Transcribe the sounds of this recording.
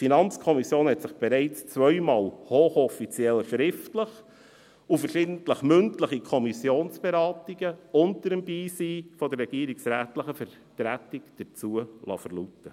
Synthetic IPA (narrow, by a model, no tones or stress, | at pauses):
finɑnt͡skʰɔmisjoːnhɛtsɪχb̥ɛɾɛɪt͡st͡svœʏmɑːlhoːχɔfit͡sjɛlʃɾɪftləχ | ufəʃɪːdn̩tləχmʏntləχikʰɔmisjoːnsb̥ɛɾɑːtiɡəʊntəɾəmbiːsiːfɔdərːɛɡ̥iːəɾiksɾæːtləχəfəɾ | tɾætɪkd̥ət͡suəlɑ̰fəɾlutə